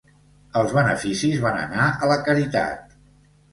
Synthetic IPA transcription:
əlˠzβənə̰fisizβanə̰naələkəɾit̪a̰t̪̚

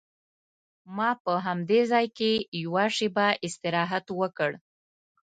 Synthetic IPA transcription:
mɑpəɦamd̪ezɑjkejwaʂebaʔɪst̪ɪɾɑɦat̪wəkəɽ

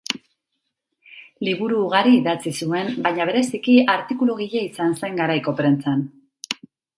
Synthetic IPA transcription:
liβuɾuːɣaɾiːðat͡sisue̞mbajɲaβ̞e̞ɾe̞sikiaɾt̪ikuluɣ̞iʎeisanse̞ŋɡaɾajko̞pɾe̞nt͡san

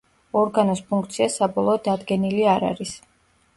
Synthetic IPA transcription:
ɔɾɡanɔspʰuŋkʰt̪sʰiasabɔlˠɔːd̪ːad̪ɡɛniliaɾa̰ɾis

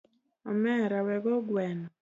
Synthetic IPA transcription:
ɔmɛɾawɛɡɔɡwɛnɔ

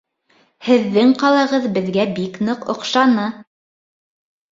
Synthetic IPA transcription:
hɘ̆ðːɘŋqɑlˠɑ̆ʁɤðbɘ̆ðɡæbiknɤqŏ̰qʃɑnɤ

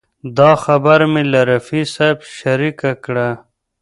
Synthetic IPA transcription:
d̪ɑxɐbaɾmilaɾɐfisabʃɐɾikakɽa

